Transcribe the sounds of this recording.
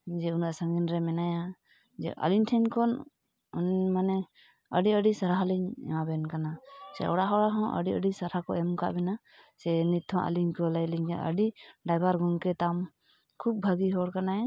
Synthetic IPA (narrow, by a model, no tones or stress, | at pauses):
d͡ʒɛunaʔsaŋɡinɾɛmɛnaja | d͡ʒɛ̰ʔa̰linʈʰɛnkɔn | nmanɛ | əɖiəɖisaɾaɦaliɲɛ̰mabɛnkanasɛ̰ɔ̰ɽaɦɔɽaɦɔ̃ʔə̰ɖiəɖisaɾakɔ̰ʔɛmka̰ʔbɛna | sɛnit̪ʰːɔ̃ʔa̰liɲkɔlajliɲkaʔə̰ɖiɖajbaɾɡɔŋkɛt̪am | kʰub̚bʱaɡiɦɔɽkanaɛ